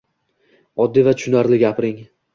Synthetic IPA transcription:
ɒd̪ːivat̪ʰʊʃʊnaɾlɪɡʲapʰɾɪŋ

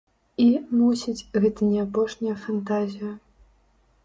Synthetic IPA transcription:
imusʲit͡sʲɣɛt̪ɐnʲɛapɔʂnʲɐjɐfant̪azʲijɐ

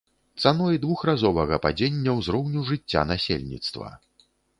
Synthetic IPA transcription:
t̪sanɔjd̪vuxrazɔvɐɣɐpad͡zʲenʲːɐwzɾɔwnʲuʐɨt͡sʲːa̰nasʲḛlʲnʲḭt̪st̪vɐ̰

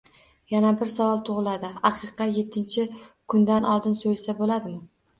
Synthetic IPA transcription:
janabɪɾsavɒlˠt̪ʰʊʁɨlˠad̪ɪɑqʰɨqːɑje̞t̪ʰːɪnt͡ʃʰɪkʰʊnd̪anʔɒlˠd̪ɪnsojlsabolad̪ɪmɪ

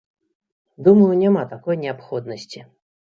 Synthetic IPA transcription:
d̪uməjunʲamat̪akɔjnʲɛapxɔd̪nəsʲt͡sʲi

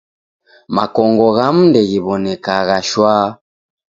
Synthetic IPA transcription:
ma̰kɔŋɡɔɣam̩ndɛɣiβɔnɛkaɣaʃwaː

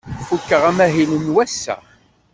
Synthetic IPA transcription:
fukːəʁæmæɦilənwæsːæ̰

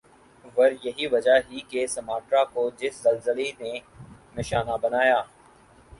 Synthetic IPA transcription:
ʋɐɾjɐɦiʋɐd͡ʒaɦikesɐmaːʈɾakod͡ʒɪszɐlzəlene | nɪʃaːnabɐnaːjaː

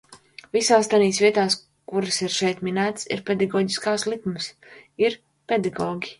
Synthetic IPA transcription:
visaːst̪aniːsvʲiɛt̪aːs | kuɾɨsiɾʃɛjt̪minæːt̪sḭɾpʲɛd̪aɡɔːɟiskaːslˠikmɨs | iɾ | pʲed̪aɡɔːɡʲi

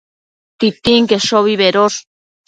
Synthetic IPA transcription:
t̪it̪iŋkeʃoβiβeɾos

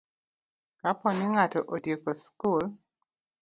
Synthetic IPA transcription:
kapɔnɪŋatɔʔodjekoskul

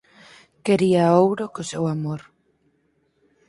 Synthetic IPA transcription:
keɾiaowɾokosewamoɾ

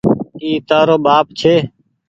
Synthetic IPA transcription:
iːt̪aːɾoːɓaːp̚t͡ʃʰeː

